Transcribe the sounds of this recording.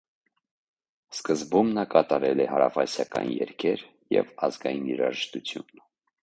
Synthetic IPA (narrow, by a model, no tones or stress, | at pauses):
skəzbumnɑkɑt̪ɑɾɛlɛhɑɾɑfɑsjɑkɑnjɛ̰ɾkʰɛɾ | jɛ̰vɑzɡɑjiniɾɑʒəʃt̪ut͡sʰjun